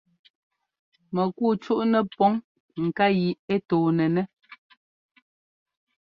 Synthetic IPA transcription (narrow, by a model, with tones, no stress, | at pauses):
mɛ˨ku˦˨t͡ʃu˦ʔnɛ˦pɔ˦ŋ | ŋ̩˨ka˦ji˨e˦toː˨nɛ˨nɛ˦